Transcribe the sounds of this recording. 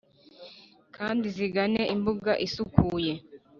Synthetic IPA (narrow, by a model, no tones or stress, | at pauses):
kʰaːndiziɡaneʔimbuɡaʔisukʰuːje̞